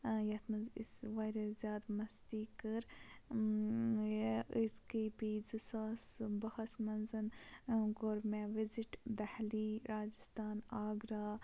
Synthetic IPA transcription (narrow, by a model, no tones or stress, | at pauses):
jɐt̪ʰmɐzisʋaːjɾɐzjaːd̪mɐst̪iːkəɾ | iskipizisaːsbɐhɐsmɐnzɨnɡoːɾmẽʋiziʈd̪ɐhliɾaːd͡ʒist̪aːnaːɡɾaː